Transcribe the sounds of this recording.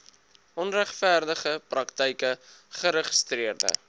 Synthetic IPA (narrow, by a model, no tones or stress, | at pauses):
ʔɔnræχfæːrdəχəprɐktəjkəχəɾəχəstriərdə̰